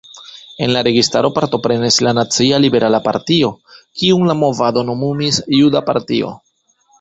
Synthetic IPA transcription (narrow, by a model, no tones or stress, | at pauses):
e̞nlaɾe̞ɡistaɾo̞paɾto̞pɾe̞nislanat͡sialibe̞ɾʔalapa̰ɾtio̞kiumlamo̞vado̞no̞mumisjudapaɾtio̞̰